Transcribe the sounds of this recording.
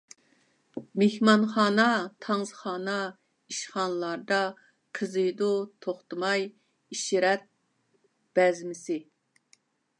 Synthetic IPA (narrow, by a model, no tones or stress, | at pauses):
mehmɑnχɑːnɑt̪ʰɑŋzχɑːnɑ | iʃχɑnlˠɑɾd̪ɑ | qʰəzɨjd̪ut̪ʰoχt̪ɨmɑj | iʃiɾɛt̪̚ | b̥ɛzmɪsɪ